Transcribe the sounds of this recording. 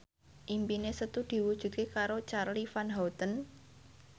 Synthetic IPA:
ʔimpinesət̪ud̪̥i̤wud̥ʒ̥ṳt̪̚kekaɾot͡ʃarlifanɦawt̪ən

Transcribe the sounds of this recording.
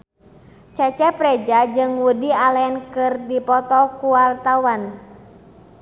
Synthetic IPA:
t͡ʃɛt͡ʃɛpɾɛd͡ʒad͡ʒɨŋwudialɛnkɨrdipɔt̪ɔkualt̪awan

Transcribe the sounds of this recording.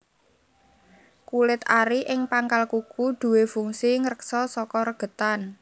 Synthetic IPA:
kulɪt̪aɾiʔɪŋpaŋkalkukud̪̥ṳwefuŋsiŋɾəksɔsɔkɔɾəɡ̥ə̤t̪an

